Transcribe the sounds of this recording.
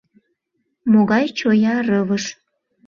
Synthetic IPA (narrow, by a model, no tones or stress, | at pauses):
moɣɑjt͡ɕojɑrəvəʃ